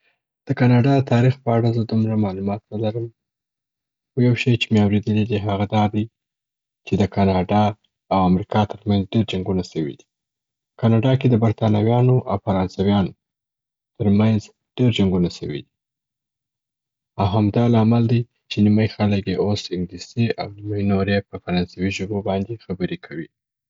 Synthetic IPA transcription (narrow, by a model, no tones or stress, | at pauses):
d̪̥əkɑnɑɖɑd̪ət̪ɑɾixpəaɽazəd̪umɾamɑlumɑt̪nəlaɾəm | xojawʃejt͡ʃemeawɾed̪əlid̪iɦaɣad̪ɑd̪aj | t͡ʃed̪əkɑnɑɖɑ | awamɾikɑt̪əɾmanzɖeɾd͡ʒaŋɡunasəwḭd̪i | kɑnɑɖɑked̪əbaɾt̪ɑnawjɑnoʔawfaɾɑnsawjɑn | t̪əɾmanz | ɖ̥eɾd͡ʒaŋɡunasəwḭd̪i̥ | awɦamd̪ɑlɑmald̪əj | t͡ʃeniməjxaləkjeosɪŋɡliseʔa̰wnimajnoɾepəfaɾɑnsawiʒobobɑnd̪exabəɾekʰawi